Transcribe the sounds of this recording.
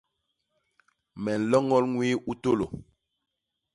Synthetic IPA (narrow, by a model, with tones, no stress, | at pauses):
mɛ˨n̩˨lɔ˦ŋɔ˦lŋwiː˦ʔu˦to˦lo˨